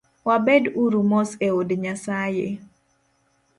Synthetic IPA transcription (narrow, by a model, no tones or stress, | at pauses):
wabɛduɾumɔseodɲasaje